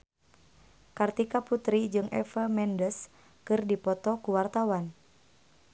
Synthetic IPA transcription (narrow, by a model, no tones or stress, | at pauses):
kart̪ikaput̪ɾid͡ʒɨŋɛ̰fəmɛndəs | kɨrdipɔt̪ɔkuwart̪awan